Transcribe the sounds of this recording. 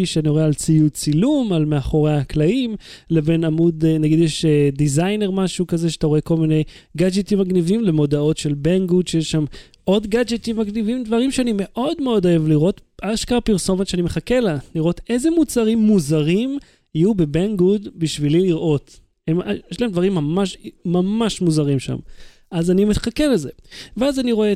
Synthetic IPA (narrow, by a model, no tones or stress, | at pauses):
iʃeanioealt͡sijut͡silumalmeaχo̞ʁeaklaimlebe̞namud̪enaɡid̪jeʃedizajne̞ʁmaʃukazeʃeat̪aʁoe̞kolmine̞jɡad͡ʒetimːaɡnivimle̞mo̞dao̞tʃe̞lbeŋɡudʃejeʃʃam | ʔo̞dɡad͡ʒet̪imːaɡnivimdvaʁimʃeanime̞ʔo̞dme̞o̞do̞e̞vliʁo̞t̪aʃkaːpiʁso̞motʃeanimeχakelaniʁo̞te̞zemut͡saʁimːuzaʁim | ajube̞beŋɡudbiʃvililiʁʔo̞t | emjeʃlaemd̪vaʁimːamaʃmamaʃmuzaʁimʃa̰m | azanimeχakeleze̞veazaniʁo̞e